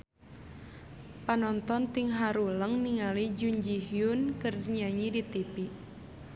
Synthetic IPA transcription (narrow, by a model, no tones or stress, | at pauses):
panɔnt̪ɔnt̪iŋɦaɾuləŋniŋalid͡ʒuɲd͡ʒihjunkərɲaɲidit̪ipi